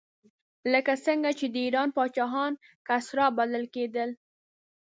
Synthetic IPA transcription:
ləkasəŋɡat͡ʃed̪əiɾɑnpɑt͡ʃɑɦɑn | kasɾɑbaləlked̪əl

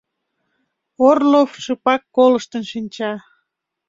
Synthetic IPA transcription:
orlofʃɨpɑkːoləʃt̪ənʃinʲt͡ɕɑ

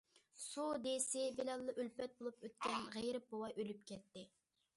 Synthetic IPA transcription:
sud̪esɪbelɛlˠːɑʔølpɛt̪̚bolˠupʰøt̪̚kʲɛnʁejɾɪp̚bowɑjølyp̚kʲʰɛt̪ːɪ

